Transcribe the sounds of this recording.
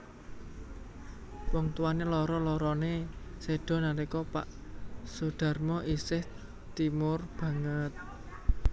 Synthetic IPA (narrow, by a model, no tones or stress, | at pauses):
wɔŋt̪uwanelɔɾɔlɔɾɔneseɖ̥ɔ̤naɾikɔpa̰ʔsuɖ̥a̤rmɔʔisɪh | t̪imʊrb̥ä̤ŋət̪̚